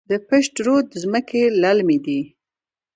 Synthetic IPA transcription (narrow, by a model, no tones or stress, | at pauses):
d̪əpɪʃʈɾod̪zməkelalmid̪i